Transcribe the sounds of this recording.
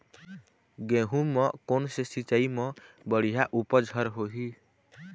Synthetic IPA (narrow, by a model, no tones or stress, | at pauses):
ɡẽɦũmɔ̃konsesit͡ʃaimɔ̃ | bəɽ̤ijaʔupəd͡ʒʱəɾɦoɦi